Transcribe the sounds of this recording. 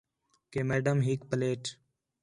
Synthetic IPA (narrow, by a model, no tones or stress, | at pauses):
keːmeːɖəmɦiːkpəleːʈ